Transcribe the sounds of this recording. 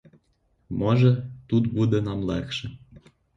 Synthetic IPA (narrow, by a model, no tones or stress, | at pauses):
mɤʒɤ̆t̪ut̪bud̪ĕnɑmlækʃĕ